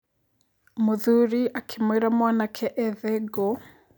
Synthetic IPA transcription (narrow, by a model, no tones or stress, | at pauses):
muðuɾiʔakʰimwɛɾamwanakʰɛʔɛðɛɡɔ